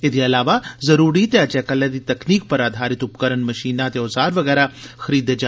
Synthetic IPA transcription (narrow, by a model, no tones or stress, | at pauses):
ɪd̪iɐlaːʋazɐɾuːɾit̪ɛːt͡ʃɛːkɐled̪it̪ɐkniːk̚pɐɾaːd̪ʱaːɾɪt̪ʊpkəɾənmɐʃiːnat̪eozaːɾʋɐɣɛːɾaxɐɾiːd̪ed͡ʒaː